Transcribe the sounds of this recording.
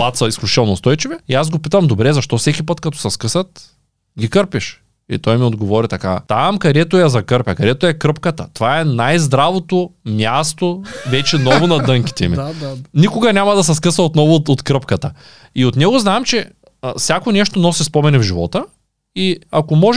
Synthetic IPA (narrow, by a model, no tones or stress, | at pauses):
pˠat̪sɐisklʲut͡ʃit̪ɛlˠnost̪ɔjt͡ʃivɛiazɡopit̪ɐmd̪obɾɛzɐʃt̪ɔfsɛkʲipɤt̪kɐt̪ɔ̥sɛskɤsɐt̪ | ɡʲikɤɾpiʃ | ḭt̪ɔjmiod̪ɡovɔɾit̪ɐka̰t̪amkɐd̪ɛt̪ojɐzɐkɤɾpʲɐkɐd̪ɛt̪ojɛkɾɤpkɐt̪ɐ̰t̪ovaɛnajzd̪ɾavot̪omʲjast̪ovɛt͡ʃɛnɔvonɐd̪ɤŋkʲi̥t̪ɛminikoɡɐnʲamɐd̪ɐsɛs̬kəsɐot̪nɔvoot̪kɾəpkɐt̪ɐ | iot̪nɛɡoznaɛmt͡ʃɛ | fsjakonɛʃt̪onɔsispɔmɛnɛvʒivɔt̪ə | iakomɔʒ